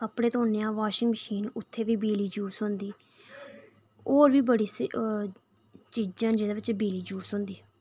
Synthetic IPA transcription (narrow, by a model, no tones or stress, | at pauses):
kəpɽeːt̪ːnejãːʋaːʃɪŋməʃiːnʊt̪ʰːeːʋiːbiːliːd͡ʒuːsõnd̪iː | oːɾʋiːbəɽiːs | t͡ʃiːd͡ʒãːnd͡ʒeːd̪aːʋɪt͡ʃbiːliːd͡ʒuːsʊ̃ːnd̪iː